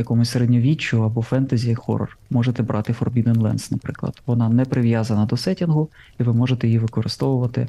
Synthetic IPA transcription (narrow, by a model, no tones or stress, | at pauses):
jɐkɔmʊsʲseɾedʲnʲɔʋʲit͡ʃːʊɐbɔfɛnt̪ɐzʲijɐkxɔ̰rɔ̰rmɔʒet̪ɛbɾʔɑt̪ɪfɔ̰rbʲid̪ɛnlˠɛ̰nsnɐpɾɪ̰klˠɐ̰d̪̥ʋɔnɑnɛpɾɪʋjazɐnɐd̪ɔsɛtʲinɦʊ | iʋɪmɔʒet̪ɛjiʋɪkɔɾɪst̪ɔʋʊʋɐt̪ɪ̰